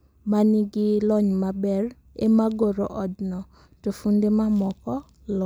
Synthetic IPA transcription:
maniɡɪlɔɲmabɛr | ḛmaɡoɾoʔɔdnɔ | tofundemamɔkɔ | lɔ

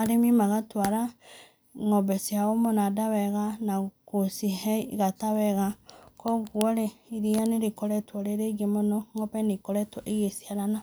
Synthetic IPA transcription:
aɾemimaɣatwaɾa | ŋɔbɛsiaɣomonadaβɛɣanakosihɛiɣataβɛɣakɔɣwɔɾeiɾianeɾekɔɾɛtwɔɾeɾeɣemonɔŋɔpɛnekɔɾɛtɔʔeɣesiaɾana

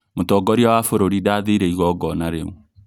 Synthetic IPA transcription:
motɔːɡɔɾiɔwafoɾoɾidaðeɾeiɣɔɡɔnaɾeu

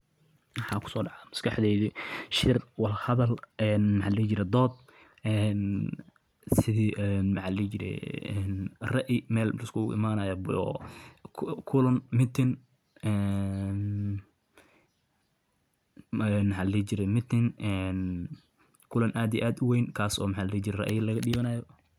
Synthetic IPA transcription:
mɐħɑːkʰʊ̥sɔːɖɑʕamɐskɑħd̪ɛjðiʃɪrwɑlhɐðɐlɛnmħɑlɛt͡ʃɪɾɛd̪ɔːd̪̚ | ɛn | sɪðiːʔɛnmħɑlɛt͡ʃɪɾɛ̰nrɐʔɪmɛːllɪskʰʊʊ̰ʔɪ̰maːnɐjɐbɔ̰ | kʰʊlɐnmɪt̪ʰɪn | ɛːn | ɛnmħɑllɛːt͡ʃɪɾɛmɪt̪ɪnɛn | kʰʊlɐnʔaːd̪iʔaːd̪ʊwɛjnkʰaːsɔːmɑħaːllɛːt͡ʃɪɾɛrɐ̰ʔlɐɣɐɗiːβɐnaːjɔ

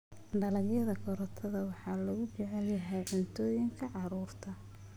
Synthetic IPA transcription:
ɖɐlɐɣjɐðɐkʰɔɾɔt̪ʰɐðɐwɑħɑːlɔɣʊt͡ʃɛʕɛljɐɦɛjʕʊnt̪ʰɔːjɪŋkʰɐʕɑɾuːrt̪ʰɐ

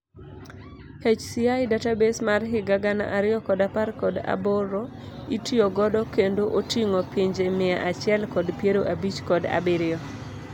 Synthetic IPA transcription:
het͡ʃsɪajdatabesmarɦɪɡaɡana̰ʔaɾɪjɔkɔdaparkɔda̰boro | itɪoɡɔdɔkendoʔotiŋopiɲd͡ʒemɪa̰ʔat͡ʃɛlkɔdpjeɾoʔabit͡ʃkɔda̰bɪɾɪɔ

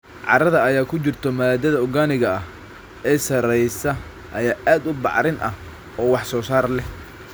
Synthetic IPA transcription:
ʕɑ̰ɾɐðɐɐjaːkʰʊt͡ʃɪrt̪ʰɔmɐðaːd̪ɐðɐʊɣaːnɪɣɐɐh | ɛːsɐɾɛjsɐ | ʔɐjaːʔaːd̪ʊbɑ̰ʕɾɪnʔɐ̰h | ɔːwɑħsɔːsaːrlɛ

